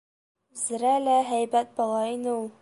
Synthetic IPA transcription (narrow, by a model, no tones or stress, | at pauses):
zɘ̆ɾælæɦæjbæt̪̚bɒlˠɑinɘulˠ